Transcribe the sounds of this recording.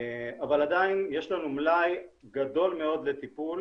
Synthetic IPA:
avalad̪ainje̞ʃlanumlajɡad̪o̞lme̞o̞d̪le̞t̪ipul

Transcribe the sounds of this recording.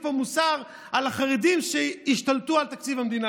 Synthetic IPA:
fomusaʁ | alaχaʁed̪imʃeiʃt̪alt̪ualt̪akt͡sivamd̪ina

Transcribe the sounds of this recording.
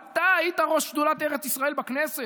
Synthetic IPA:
t̪aajit̪aʁo̞ʃpd̪ulat̪eʁet͡sisʁaelbaknese

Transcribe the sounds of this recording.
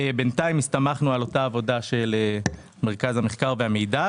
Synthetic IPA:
ebe̞ntaimist̪amaχnualo̞taːvo̞daʃe̞le | me̞ʁkazhameχkaʁveamejda

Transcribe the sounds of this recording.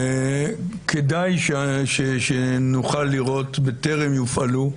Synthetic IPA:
kʰed̪ajʃeʃeʃenuχalːiʁo̞t̪bet̪eʁemjufalu

